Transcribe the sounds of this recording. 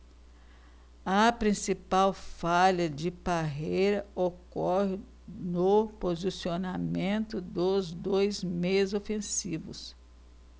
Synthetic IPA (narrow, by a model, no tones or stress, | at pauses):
ɐpɾĩsipawfaʎɐd͡ʒɪpaɦejɾɐokɔhɪ | nʊpozisionamẽnt̪ʊd̪ʊzd̪ojzmezofẽsivʊ̰s